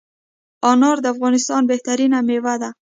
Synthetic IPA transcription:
ɔnɑɾd̪əafɣɔnɪst̪ɑnbeht̪aɾinamewad̪a

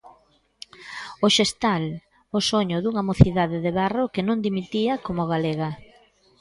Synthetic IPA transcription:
oʃest̪al | osoɲʊðuŋamoθiðaðɪðeβarokɪnõŋd̪imit̪iɐkomʊɣaleɣɐ

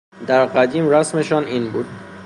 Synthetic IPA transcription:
d̪æɾɢæd̪iːmɾæsmeʃɒːniːnbuːd̪̥

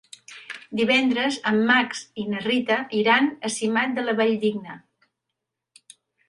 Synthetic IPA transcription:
d̪iβɛnd̪ɾəzəmːaksinərit̪əʔiɾanəsimat̪̚d̪ələβɛʎd̪iɡnə

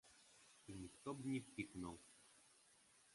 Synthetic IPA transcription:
inʲikt̪ɔbnʲipʲiknɔw

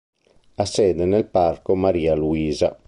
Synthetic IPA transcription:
asɛːd̪enelparkomaɾiːaluiːza

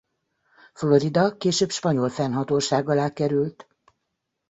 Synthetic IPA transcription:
flo̞ɾid̪ɒkeːʃøːbʃpɒɲo̞lfɛnɦɒt̪oːʃaːɡɒlaːkɛɾylt̪

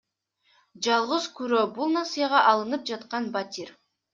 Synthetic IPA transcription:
d͡ʒɑlˠʁəzkyɾøbulˠnɑsɨjɑʁɑʔɑlˠɯnɯp̚d͡ʒɑt̪qɑnbat̪ʲiɾ

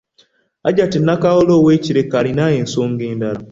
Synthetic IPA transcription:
a̰ɟatinːakaɣoloːweciɾekalinajensoːŋɡeːndala

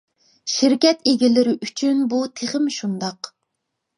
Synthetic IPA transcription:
ʃɪɾkʲɛt̪eɡʲilɪɾɪʔyt͡ʃʰynbut̪ʰeχɪmʃund̪ɑq

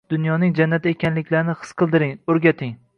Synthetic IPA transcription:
d̪ʊnjɒnɪŋd͡ʒanːat̪ekʲanlɪkʲlaɾnɪχɨ̥sqʰɨlˠd̪ɪɾɪŋɵɾɡʲat̪ʰɪŋ

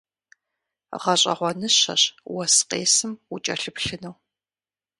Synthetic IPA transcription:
ʁɐɕʼɐ̰ʁʷɔnɨɕɐ̰ɕwɐsqeːsɨmut͡ʃʼɐ̰ɬɨpɬɨnɐw

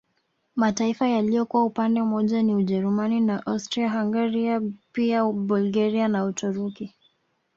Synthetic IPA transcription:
mataifajalijɔkuwaupandɛmɔʄaniuʄɛɾumaninaʔawstɾiaɦaŋɡaɾiapiabulɡaɾianautuɾuki

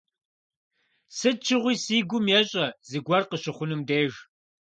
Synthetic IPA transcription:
sɨt͡ʃʰɪʁʷiːsiːɡʷʊmjɛɕʼɐzɨɡʷɐrqəɕɪχʷʊnɨmdeːʒ

